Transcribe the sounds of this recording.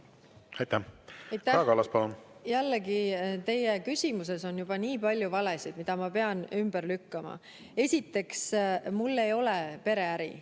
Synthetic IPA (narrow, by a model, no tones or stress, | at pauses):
ɑjt̪ːæɑjt̪ːˑæɑkɑlɑspɑlunjælːeɡit̪e̞jekysʲimuse̞so̞njub̥ɑniːpɑlʲjuvɑlesid̪̥mid̪ɑmɑpe̞ɑnymb̥ərlykːɑmɑ̰ | e̞sʲit̪ːe̞ksmulːe̞jo̞lepe̞ɾe̞æɾḭ